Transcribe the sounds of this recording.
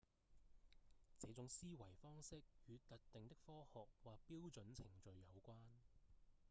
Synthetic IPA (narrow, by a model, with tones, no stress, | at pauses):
t͡sɛː˨˧˥t͡sʊ˨˥ŋsiː˥wɐ˨˩jfɔː˥ŋsɪ˥k̚hyː˨˧t̪ɐ˨t̚t̪ɪ˨ŋt̪ɪ˥k̚fɔː˥hɔː˨k̚waː˨k̚piː˥wt͡sɵ˨˥nt͡sʰɪ˨˩ŋt͡ʃɵ˨ɥːɐ˨˧wkʷaː˥n